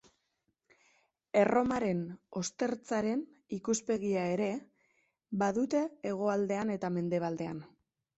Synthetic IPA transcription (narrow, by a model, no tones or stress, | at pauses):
e̞rʔo̞maɾe̞no̞st̪e̞ɾt͡saɾe̞n | ikuspe̞ɣiae̞ɾe̞ | baðut̪e̞ːɣ̞o̞ald̪e̞ane̞t̪ame̞nd̪e̞β̞ald̪e̞an